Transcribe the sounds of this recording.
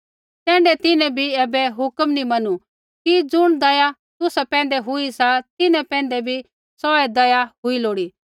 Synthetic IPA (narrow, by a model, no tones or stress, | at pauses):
kɛ̃ːɳɖɛt̪ɪnɛ̃bʱiɛːbɛɦʊkəmnimɐnu | kid͡zʊɽ̃d̪ɐja | t̪ʊsapɛ̃ːn̆d̪ɛɦʊisat̪ɪnɛ̃pɛ̃ːnd̪ɛbʱi | sɔːɛd̪ɐjaɦʊiloːɽiː